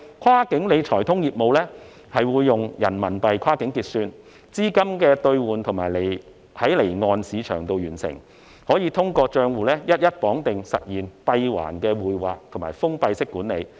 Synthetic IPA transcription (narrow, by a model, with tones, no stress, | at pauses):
kʰaː˥kɪ˨˥ŋle˨˧jt͡ʃʰɔː˨˩jt̪ʰʊ˥ŋjiː˨t̚mo˨˧wlɛː˥ | hɐ˨jwuː˨˧jːʊ˨ŋjɐ̰˨˩nmɐ˨˩npɐ˨jkʰaː˥kɪ˨˥ŋkiː˧t̚syː˧n | t͡siː˥kɐ˥mkɛː˧t̪ɵ˧ɥwuː˨nt̪ʰʊ˨˩maː˨˩jle˨˩j | hɐ˨˥jle˨˩jŋɔː˧nsiː˨˧t͡ʃʰœ̰ː˨˩ŋt̪o˧wjyː˨˩nsɪ̰˨˩ŋ | hɔː˨˥jiː˨˧t̪ʰʊ˥ŋkɔː˧t͡ʃœː˧ŋwuː˨lɛː˥jɐ˥t̚jɐ˥t̚pɔː˨˥ŋt̪ɪ˨ŋsɐ̰˨t̚jiː˨npɐ˧jwa̰ː˨˩nkɛː˧wuː˨jwa̰ː˨k̚t̪ʰŋmaː˨˩jfʊ˥ŋpɐ˧jsɪ˥kːuː˨˥nle˨˧j